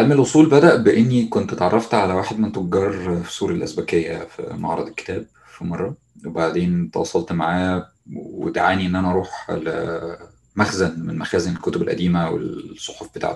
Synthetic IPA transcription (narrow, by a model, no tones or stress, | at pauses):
ʕalmelwʔosˤuːlbæd̪æʔbeʔenːikont̪t̪ʕɑrˤːɑft̪ʕalæwaːħed̪ment̪oɡɡɑrˤfi̥suːɾɑlʔæ̰sbækejːæfḭmɑ̰ʕɾˤɑ̰d̪ˤelke̥t̪æːb̚ | fimɑrˤːɑ | webaʕd̪eːnt̪wɑ̰ːsˤɑlt̪maʕaːjæ | wḛd̪aʕaːniʔenːʔænæʔɑɾˤuːħl | mæxzænmenmæxæːzænelkot̪obelʔæ̰d̪iːmæwḛsˤːoħofb̥et̪a̰ːʕt̪